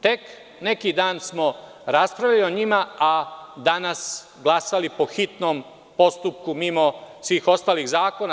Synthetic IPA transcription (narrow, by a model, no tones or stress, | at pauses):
t̪e̞k | ne̞kid̪aːnsmo̞ | ɾaspɾaʋʎalio̞ɲimaad̪anas | ɡlˠasalipoxit̪nom | po̞st̪up̚kumimosʋiːxo̞st̪aːliɣzaːko̞na